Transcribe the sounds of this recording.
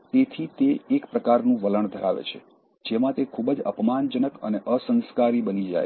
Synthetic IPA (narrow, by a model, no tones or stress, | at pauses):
t̪et̪ʰit̪eːkpɾəkaɾnũʋələɳd̪ʱəɾaʋḛt͡ʃʰe̥̰ | d͡ʒemãt̪ekʰubəd͡ʒə̰pmand͡ʒənəkə̰neʔəsə̃nskaɾibənid͡ʒa̰j